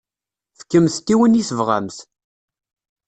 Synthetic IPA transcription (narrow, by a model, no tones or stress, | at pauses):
fə̥kːəmθt̪ːiwəniθəvʁæ̰mθ